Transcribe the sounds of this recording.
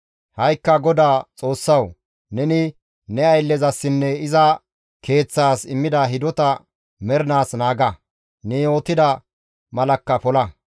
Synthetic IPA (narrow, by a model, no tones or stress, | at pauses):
hɐjkːɐɡɔd̪aːt͡sʼo̞ːsːɐw | nɛnɪ | nɛɐjlːɛzɐsːɪnːɛɪzɐ | kʰe̞ːt͡sːaːsɪmːɪd̪ɐɦɪd̪ɔt̪ɐ | mɛɾnaːsnaːɡɐ | nɛo̞ːt̪ːɪd̪ɐ | mɐlɐkːɐpɔlɐ